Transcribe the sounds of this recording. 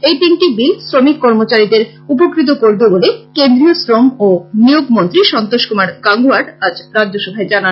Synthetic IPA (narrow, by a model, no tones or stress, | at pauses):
ejʈinʈibisɾomikːɔɾmot͡ɕaɾid̪eɾ | up̬okɾit̪̬okoɾbebolekend̪ɾiosɾomonijoɡmont̪ɾiʃɔnt̪oʃkumaɾɡaŋɡuaɖad͡ʑɾadːoʃɔbʱaed͡ʑana